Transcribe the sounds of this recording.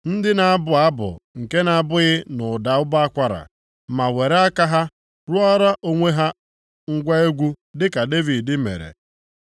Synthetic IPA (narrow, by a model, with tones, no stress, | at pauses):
n̩˦dɪ˦na˨a˦bʊ˨a˦bʊ̰˨ŋ̩˨ke˦na˦˨˦bʊ˦ɣɪ˦nʊ˨da˨ʊ˦ba˦a˦kʷa˦ɾa̰˨ | ma˨we˨ɾe˦a˦ka˦ɦa˦ | ɾʊ˦ɔ˦ɾa˦ʔo˦ŋʷe˦ɦa˦ | ŋ̩˦ɡʷa˦e˦ɡʷu˦ | dɪ˦ka˨de˦vi˨ddɪ˦mḛ˨ɾḛ˨